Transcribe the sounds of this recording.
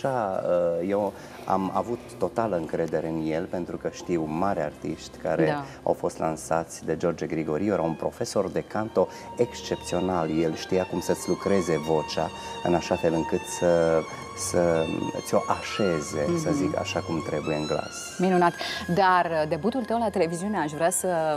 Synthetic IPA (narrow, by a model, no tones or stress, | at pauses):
ʃaəje̞w | a̰ma̰vut̪ːo̞t̪aləɨŋkɾe̞d̪e̞ɾe̞ɨnje̞lpe̞nt̪ɾukəʃt̪iwmaɾart̪iʃt̪ʲkaɾe̞ | a̰wfo̞st̪lansat̪sʲd̪e̞d͡ʒo̞rd͡ʒeɡɾiɡo̞ɾijoɾaunpɾo̞fe̞so̞rd̪e̞kant̪o̞ | e̞kst͡ʃe̞p̚t̪sio̞nalje̞lʃt̪ijakumsət̪sʲlukɾe̞ze̞vo̞t͡ʃa̰ɨ̰naʃafe̞lɨŋkɨt̪sə | sət̪sʲo̞ʔaʃe̞ze̞səzika̰ʃakumt̪ɾe̞buje̞ɨŋɡla̰s | minunat̪d̪ard̪e̞but̪ult̪əwlat̪e̞le̞viziuneaʃvɾeasə